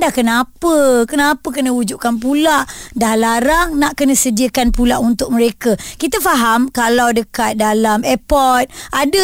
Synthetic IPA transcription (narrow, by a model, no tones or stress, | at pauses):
dakənapəkənãpəkənə̃ud͡ʒuʔkanpulaʔdahlaɾaŋnaʔkənə̃sədiəkanpulaʔunt̪ʊk̚məɾekəkit̪əfaɦamkalawdəkat̪̚dalamɛpɔt̪̚adə